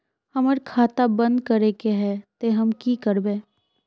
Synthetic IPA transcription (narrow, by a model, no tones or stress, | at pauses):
hɐməɾkʰaːt̪abɐ̃nd̪kɐɾekeɦɛt̪eɦɐmkikəɾbẽː